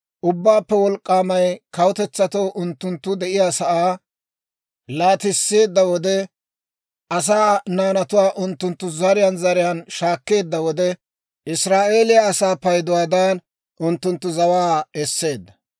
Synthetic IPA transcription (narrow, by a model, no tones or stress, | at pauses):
ʔʊbːaːpːɛwɔlkʼːaːmɐjkɐwt̪ɛt͡sːɐt̪oːʔʊnt̪ːʊnt̪ːʊd̪ɛʔɪjaːsɐʔaː | laːt̪ɪsːe̞ːd̪ːɐwɔd̪ɛ | ʔɐs̬aːnaːnɐt̪ʊwaːʔʊnt̪ːʊnt̪ːʊzɐɾɪjanzɐɾɪjaːnʃaːkːe̞ːd̪ːɐwɔd̪ɛ | ʔɪsɾaːʔe̞ːlɪjaːsaːpɐjd̪ʊwaːd̪aːn | ʔʊnt̪ːʊnt̪ːʊzɐwaːɛsːe̞ːd̪ːɐ